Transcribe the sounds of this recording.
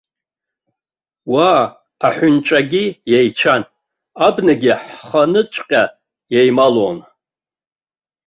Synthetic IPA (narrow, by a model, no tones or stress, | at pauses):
waː | ħʷʊnt͡ʃʷʼaɡʲijejt͡ʃʷʰan | abnaɡʲiħχanɨt͡ʃʷʼqʲʼa | jejmalon